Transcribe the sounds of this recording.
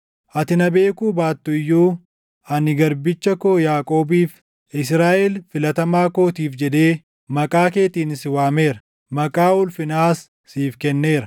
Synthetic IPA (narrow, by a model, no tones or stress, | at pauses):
ʔɐt̪ɪnɐbe̞ːkuːbaːt̪ːʊɪjːuː | ɐnɪɡɐɾbɪt͡ʃːɐkoːjaːkʼo̞ːbiːf | ɪs̬ɾaːʔɛlfɪlɐt̪ɐmaːko̞ːt̪iːfd͡ʒɛd̪e̞ː | mɐkʼaːke̞ːt̪iːnɪsɪwaːme̞ːɾɐ | mɐkʼaːʊlfɪnaːsː | iːfkɛnːe̞ːɾɐ